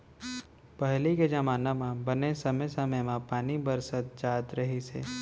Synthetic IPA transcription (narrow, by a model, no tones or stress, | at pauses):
pɐɦliked͡ʒɐmaːnamãbənesəməsəməjmãpaːnibəɾsət̪̚d͡ʒaːt̪ɾəɦisḛ